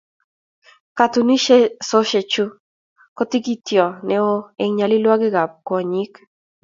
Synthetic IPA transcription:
ka˨t̪u˨ni˦ʃe˦so˦ʃe˨t͡ʃu˦ | ko˦t̪i˦ɡi˦t̪jɔ˨ne˦o˦e˨ŋɲa˨li˦lwa˦ɡɪ˦ɡa˨p̚kɔ˨ɲi˦k

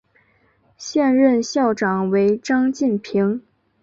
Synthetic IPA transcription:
ɕjɛ˥˧nɻə˥˧nɕjɑ˥˩ʊʈ͡ʂɑ˨˩ŋwe˧˥ɪʈ͡ʂɑ˥ŋt͡ɕi˥˩npʰi˧˥ŋ

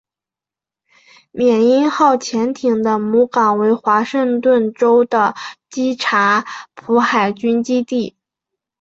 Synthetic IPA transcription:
mjɛ˨˩ni˥nxɑ˥˩ʊt͡ɕʰjɛ˧˥nt̪ʰi˨˩ŋd̪ə˦mu˧˥kɑ˨˩ŋwe˧˥ɪxwa˧˥ʂɤ˥˧ŋt̪wə˥˩nʈ͡ʂo˥ʊd̪ə˨t͡ɕi˥ʈ͡ʂʰa˧˥pʰu˧˥xa˨˩ɪt͡ɕy˥nt͡ɕi˥t̪i˥˩

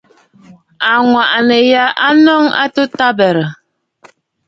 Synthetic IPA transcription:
a˨ŋwa˨ʔnə˨ja˦ʔa˦nɔ˦ŋa̰˦to˦ta˦bɛ˨ɾə˨

